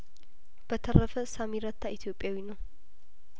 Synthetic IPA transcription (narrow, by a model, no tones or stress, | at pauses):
b̥ət̪ʰərəfəsamiɾət̪ʰːait̪ʰijo̞pʼjawinəw